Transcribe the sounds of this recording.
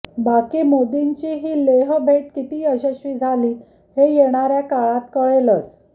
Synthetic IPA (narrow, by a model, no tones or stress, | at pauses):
bakiːmod̪iɲt͡ɕiːɦiːleɦbʱeʈkit̪iːəɕəɕʋiːd͡zʱaliː | hejeɽ̃aɾjakaɭat̪kəɭelət͡s